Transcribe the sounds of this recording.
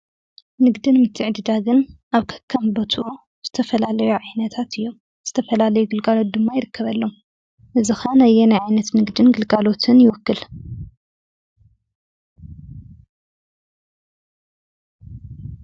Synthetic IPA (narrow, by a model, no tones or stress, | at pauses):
nɨɡd̪ɨnmɨt̪ʰːɨʕd̪ɨd̪aɡɨnʔaβkʰɐ̥kʰːɐmbɐt̪ʰuʔu | z̥ɨt̪ʰɐfɐlalɐjuʕajnɐt̪ʰat̪ɨjːo̞m | z̥ɨt̪ʰɐfɐlalɐjuɡɨlɡalo̞t̪̚d̪ɨmːajɪɾɨkʰːɐβɐlːo̞m | ʔɨzixanɐjːɛnajʕajnɐt̪nɨɡd̪ɨnɡɨlɡalo̞t̪ʰɨnjɪwɔkːɨl